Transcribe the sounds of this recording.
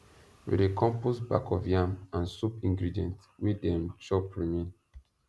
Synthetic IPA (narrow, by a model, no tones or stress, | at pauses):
wḭdekʰɔ̃mpusba̰kʰɔvjamãnsupĩŋɡɹidiɛ̃nt | widɛ̃mt͡ʃɔpʰɹimĩn